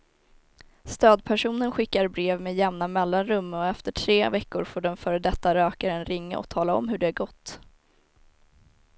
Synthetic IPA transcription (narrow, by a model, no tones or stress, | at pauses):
st̪øːd̪pʰæʂuːnənɧɪkːaɾbɾeːvmeːd̪jɛmnamɛlːanɾɵmːɔɛft̪əʈʰɾeːvɛkːʊɾfoːɖɛnfœːɾəd̪ɛt̪ːaɾøːkaɾəɛnɾɪŋːa̰ʔɔ̰kt̪ʰɑːlaɔ̰mɦɵɖɛæɾɡɔt̪ː